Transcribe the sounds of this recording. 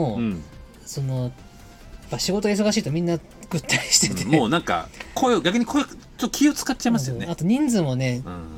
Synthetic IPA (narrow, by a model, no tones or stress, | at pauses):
o | so̞no̞ | japːaɕiɡooɡais̬o̞ɡaɕiːt̪omʲĩnːa | ɡ̥ɯ̟t̪ʰːaɾʲiɕi̥t̪e̞t̪emoːnãŋka̰kʰoeoɡʲakɯ̟ɲ̟ikʰo̞e | t͡ɕot̪ːokʲʰio̞t͡sɨ̥katːt͡ɕaimas̬ɨjoeat̪o̞ɲ̟ĩnd͡zɨ̃mone̞